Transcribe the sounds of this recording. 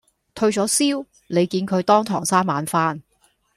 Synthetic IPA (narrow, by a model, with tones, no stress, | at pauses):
t̪ʰɵ˧ɥt͡ʃɔː˨˥siː˥w | nle˨˧jkiː˧nkʰɵ˨˧ɥt̪ɔː˥ŋt̪ʰɔ̰ː˨˩ŋsaː˥nmaː˨˥nfaː˥n